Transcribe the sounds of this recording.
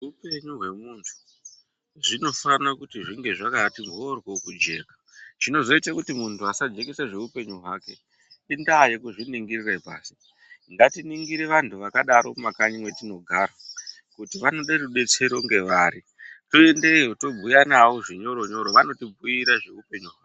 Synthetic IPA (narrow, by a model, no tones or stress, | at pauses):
ʐupe̞ɲuɦwe̞muntʰu̥ | ʐino̞fanakutiʐiŋɡe̞ʐakatimbʱorwo̞kud͡ʒe̞ːka | ʐ̥ino̞zo̞itakutimuntʰuasad͡ʒe̞kesaʐe̞upe̞ɲuɦwaːke̞ | indaːje̞kuʐiniŋɡiriraipa̰ːsi̥ | ŋɡatiniŋɡiɾe̞ʋantʰuʋakaɗaɾo̞makaɲimwe̞tino̞ɡʱaːɾa | kutiʋano̞ɗeruɗe̞t͡seɾo̞ŋɡe̞ʋaːɾi | to̞endejoto̞b͡vʱujanawoʐiɲo̞ɾo̞ɲo̞ɾo̞ʋano̞tib͡vʱujiɾaʐe̞upe̞ɲuɦwaːke